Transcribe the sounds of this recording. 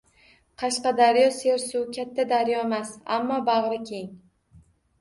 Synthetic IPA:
qʰɑʃqɑd̪aɾjɒse̞ɾsʊkʲʰat̪ʰːad̪aɾjɒemasa̰mːɒbɑʁɾɪkʲʰe̞ŋ

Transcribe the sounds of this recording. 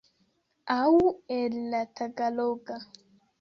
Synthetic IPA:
awɛlːataɡaloɡa

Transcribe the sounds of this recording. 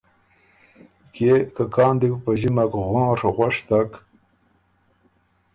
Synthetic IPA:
kekakɑːnd̪iwpaʑimakɣɑ̃ːɾɣʷwaʂt̪ak

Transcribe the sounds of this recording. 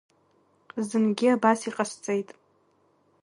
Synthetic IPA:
zɨnɡʲiabasiqʼast͡sʼejtʼ

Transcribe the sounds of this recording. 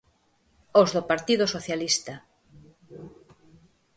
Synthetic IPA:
ozðopaɾt̪iðʊsoθjalist̪a

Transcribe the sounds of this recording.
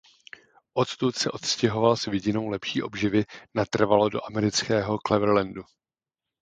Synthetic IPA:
ʔo̞t̪t̪ut̪sɛʔo̞t̪scɛɦo̞valsvɪɟɪno̞wlɛpʃiːʔo̞bʒɪvɪnat̪r̩valodo̞ʔamɛɾɪt͡skɛːɦo̞klɛvɾ̩lɛndu

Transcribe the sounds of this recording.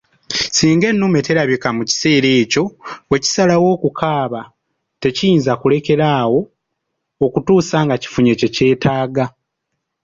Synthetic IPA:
siːŋɡe̞nːume̞teɾaβikamuci̥se̞ːɾe̞ːco̞we̞ci̥salawo̞ːkukʰaːβa | te̞cijiːnzakule̞ke̞ɾaːwo̞ː | kutuːsaːŋɡaci̥fuɲe̞ce̞ce̞ːtʰaːɡa

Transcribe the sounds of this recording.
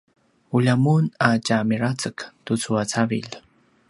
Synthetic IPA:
uʎamunat͡ʃamiɾat͡səkt̪ut͡suat͡savḭʎ

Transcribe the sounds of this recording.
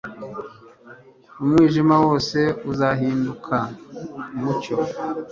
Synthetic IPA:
umŋiːʒimawo̞ːse̞uzaɦiːndukʰa | muco̰

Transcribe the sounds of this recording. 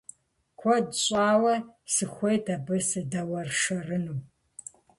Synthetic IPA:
kʷʰɔdɕʼaːwɐsɨxʷejdʰɐbɨsɨdɐwɐrʂɐrɨnuː

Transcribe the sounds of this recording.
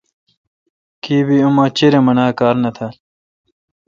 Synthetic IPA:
kiːbiumaːt͡ɕiɾemɐnaːkaːɾnɐt̪ʰaːl

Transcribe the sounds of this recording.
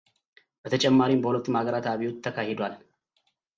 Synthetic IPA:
b̥ət̪ʰɐt͡ʃʼɛmːaːɾiːmbəhʊlət̪ːmaːɡəɾaːt̪aːβijʊt̪ʰːɐkaːhɛd̪ʷal

